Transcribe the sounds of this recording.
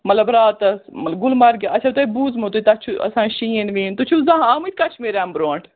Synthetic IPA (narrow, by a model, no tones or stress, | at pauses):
mɐt̪lɐbɾaːt̪ɐsmɐlɡʊlmɐɾɡeɐt͡ʃʰaːt̪eibuːzmot̪ut̪ɐt͡ʃʰuɐ̰sãːʃiːənʋiːnt̪ut͡ʃʰuzãɦãːmit̪̚ʰʲkɐt͡ʃʰmeɾaːmbɾoːɳʈ